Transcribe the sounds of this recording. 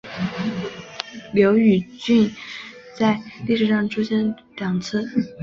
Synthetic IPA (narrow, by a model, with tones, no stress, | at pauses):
ljɑ˧˥ʊy˨˩t͡ɕy˥˧n | t͡sa˥˧ɪli˥˩ʂɻ̩˨˩ʂɑ˥˩ŋʈ͡ʂʰu˥ɕjɛ˥n | ljɑ˨˩ŋt͡s̩ʰ˥˩